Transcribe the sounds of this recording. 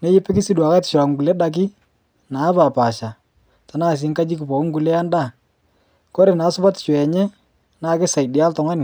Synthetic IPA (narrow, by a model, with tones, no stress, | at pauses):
nɛ˦jɪ˦pɪ˦kɪ˦si˦dwa˨ka˦tɪ̥˨ʃʊ˨ɾa˨kŋ̩˨ɡu˨lɛ˦da˨k̬ɪ˦ | naː˨˦pa˨pa˨ʃa˨ | ta˨naː˦˨s̬ɪ˨˦ŋka˦d͡ʒi˦k̬ɪ˨pɔ˨kŋ̩˦ɡu˨lɛ˦a˦nda˦˨ | ko˦ɾe˨naː˨˦sʊ˦pa˦tɪ̥˨t͡ʃɔ˨ɛ˨ɲɛ˦ | naː˨˦kɪ˦sa˨jdɪ˨a˦ltɔ˨ŋa˦nɪ˨